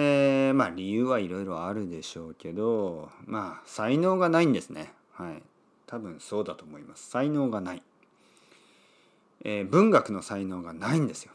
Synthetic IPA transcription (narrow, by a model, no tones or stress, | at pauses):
eːmaːɾʲijɯːβaiɾo̞iɾo̞aɾɯ̟d̪e̞ɕo̞ːke̞d̪o̞maːsaino̞ːɡanaĩnd̪e̞sɨne̞̰ | haḭ | t̪ʰabɯ̟̃ɰ̃so̞ːd̪at̪o̞ːmo̞imasɨ̥saino̞ːɡanai | eːbɯ̟̃ŋɡakɯ̟no̞saino̞ːɡanaĩnd̪e̞sɨjo̞